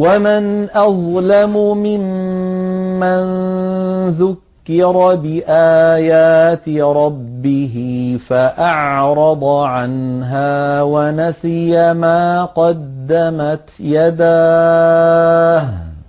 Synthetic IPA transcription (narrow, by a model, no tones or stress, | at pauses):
wamɪnʔɑðˤlamʊmɪm | man | ðʊkːɪɾˤɑbɪʔaːjaːt̪ɪɾˤɑbːɪɦɪfaʔɑʕɾˤɑd̪ˤʕanɦaːwanasɪjamaːqɑd̪ːamat̪jad̪aː